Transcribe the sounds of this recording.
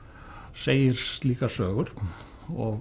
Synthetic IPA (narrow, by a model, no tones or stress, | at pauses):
seːjɪɾ̥st̪liːkasøːɣʏɾ̥ | ɔɣ